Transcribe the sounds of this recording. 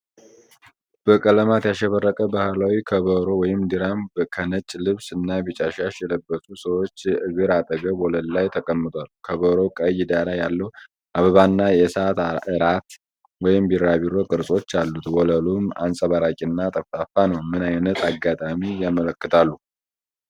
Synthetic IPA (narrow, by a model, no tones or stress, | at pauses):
b̥əkʼələmat̪jaʃːɛβərːəkʼəbahɨlawikʰəβəɾo̞wɔjɪmd̪ɨɾambkʰənət͡ʃʼːlɨβsɨnːabɨt͡ʃʼaʃaʃjɛləbːəsʼusəwo̞t͡ʃːɨβɨɾat̪ʼəɡəbɔləllajt̪ʰəkʼəmːɨt̪ʰʼʷalkʰəβəɾo̞kʼəjɪd̪alajːalːəhu | ʔaβəβanːajɛsat̪ɨɾat̪ | wɔjɪmbiɾaβiɾo̞kʼɨɾsʼo̞t͡ʃːalːut̪wɔləluma̰nsʼəβaɾakʼinːat̪ʼəftafanəwmɨnajnət̪ʰaɡːat̪ʼamijamələkːɨt̪ʰalːu